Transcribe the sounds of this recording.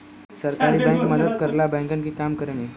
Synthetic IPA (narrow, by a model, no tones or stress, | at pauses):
səɾkaɾiːbɛ̃ŋkməd̪əd̪kəɾlabɛ̃ŋkankiːkamkəɾni